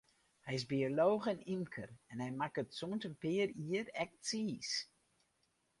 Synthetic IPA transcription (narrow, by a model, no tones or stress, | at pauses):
hɛjɪzbioloːɣɛnimkʰərɛnhɛjmakətsontəmpɪːəriəɾɛk̚siːs